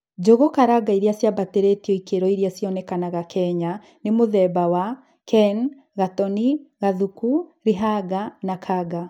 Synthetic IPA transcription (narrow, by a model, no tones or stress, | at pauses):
d͡ʒoɣɔkaɾaɡaiɾiasjabateɾetiɔikeɾɔiɾiasjɔnɛkanaɣakʰɛɲa | nemoðɛbawa | kɛn | ɣatɔniɣaðukuɾiɦaɡanakʰaɡa